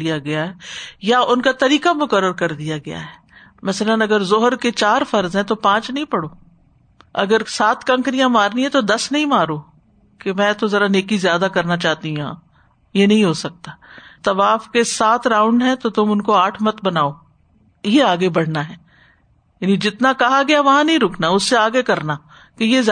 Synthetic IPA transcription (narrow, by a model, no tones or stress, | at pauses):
ijaɡɐjaɦɛːjaʊnkat̪ɐɾiːkamʊkəɾːəɾkɐɾd̪ijaɡɐja̰ɦɛː | mɐsələnɐɡəɾzʊɦəɾket͡ʃaːɾfɐɾzɦɛ̃t̪opãːt͡ʃnɐɦĩpɐɽoː | ɐ̰ɡəɾsaːt̪kɐ̃ŋkɾijãmaːɾniɦɛ̃t̪od̪ɐsnɐɦĩmaːɾoː | kemɛ̃ːt̪ozɐɾaneːkizjaːd̪akɐɾnat͡ʃaːt̪iɦũã̰ː | jenɐɦĩɦosɐk̚t̪aːt̪ɐʋaːfkesaːt̪ɾãːʊ̃ɳɖɦɛ̃t̪ot̪ʊmʊnkoaːʈʰmɐt̪bɐnaːoː | jeaːɡebɐɽ̤naɦɛː | jaːnid͡ʒɪt̪nakɐɦaɡɐjaʋɐɦãnɐɦĩɾʊkʰnaʊsːeaːɡekɐɾna | kejez